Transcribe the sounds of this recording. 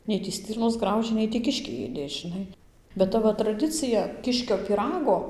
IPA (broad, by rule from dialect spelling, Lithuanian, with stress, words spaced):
ˈnʲɛɪ tʲiː ˈsʲtʲɪrnoːs ˈɡrɐʊʒʲeː ˈnʲɛɪ tʲiː ˈkʲɪʃʲkʲɛɪ ˈeːdʲeː ʒʲɪˈnɐɪ bʲɛt ˈtɐ ʋɐ trɐˈdʲɪt͡sʲɪjɛ ˈkʲɪʃʲkʲoː pʲiːˈrɑːɡoː